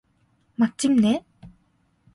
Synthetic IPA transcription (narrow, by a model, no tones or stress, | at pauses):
mak̚t͡ɕ͈imne